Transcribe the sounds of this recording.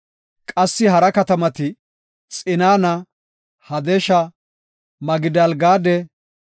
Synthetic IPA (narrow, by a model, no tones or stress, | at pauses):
kʼɐsːɪɦɐɾɐkɐt̪ɐmɐt̪ɪ | t͡sʼɪnaːnɐ | hɐd̪ɛʃɐ | mɐɡɪd̪ɐlɡaːd̪ɛ